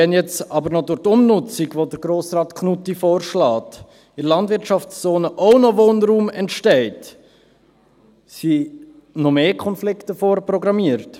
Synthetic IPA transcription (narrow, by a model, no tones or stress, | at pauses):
ɛnjɛt͡sɑbəɾnɔdʊɾtʊmnʊt͡siɡvodəɾɡɾoːsrɑːtkʰnutːifoːɾʃlɑːt | ɪlɑndvɪɾtʃɑft͡st͡soːnəʔoʊnɔvoːnɾuːmɛntʃtɛɪt | si | nɔmeːkʰɔnflɪktəfoːɾprɔɡɾɑmiəɾt